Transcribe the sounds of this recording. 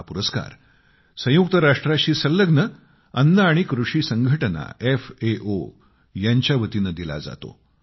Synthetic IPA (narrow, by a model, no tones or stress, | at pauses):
puɾəska̰ɾ | sə̃juk̚t̪əɾaʂʈɾaɕiːsəlːəɡnə | ənːəaɽ̃ikɾuʂiːsəŋɡʱəʈəna̰efeʔo | jaɲt͡ɕjaʋət̪inəd̪ila̰d͡za̰t̪o̰